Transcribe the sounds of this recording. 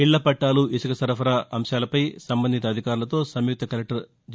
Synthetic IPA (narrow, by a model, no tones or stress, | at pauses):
iɭːɐpɐʈːaːluisukɐsɐɾɐpʰɐɾaːʔɐmʃaːlɐpɐjsɐmbɐnd̪it̪̬ɐd̪ʱikaːɾulɐt̪o̞ːsɐmjuk̚t̪ɐkɐlɐk̚ʈɐɾ | d͡ʒ